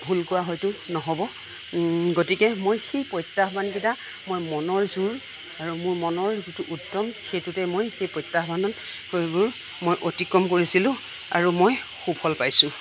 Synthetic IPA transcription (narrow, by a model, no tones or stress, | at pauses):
bʱulkʊwaɦɔjtʊnɔɦɔbɔ | ɡotikɛmojxejpɔjtːaxɔbʱanbita | mojmɔnɔɹzuɹ | aɹumʊɹmɔnɔɹzituʔutːɔmxejtutɛmojxejpɔjtːaxbʱanɔn | obuɹ | mojʔotikɹɔmk̬oɹisilʊ̃ | a̰ɹumoj | xubʰʱɔlpajsʊ̃